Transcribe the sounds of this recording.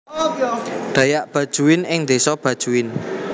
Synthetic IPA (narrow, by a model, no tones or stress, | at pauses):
ɖ̪̥a̤jaʔb̥ä̤d̥ʒ̥uwɪnɪŋd̪e̤sɔb̥a̤d̥ʒ̥uwɪn